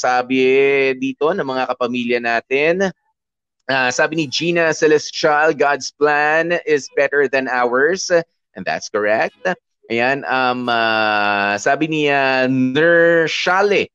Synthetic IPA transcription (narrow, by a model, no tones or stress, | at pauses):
saːbɪd̪iːt̪o̞nɐŋmɐŋakɐpɐmiljɐnaːt̪ɪn | ʔasaːbɪnid͡ʒiːnɐsɛlɛst͡ʃalɡad̪splanɪsbɛt̪əɹðɐ̃nawɐɹs | ʔɛ̃nða̰t̪skɔɹɛk̚t̪̚ | ʔɐjanɐma | saːbɪnianɛɹʃalɪ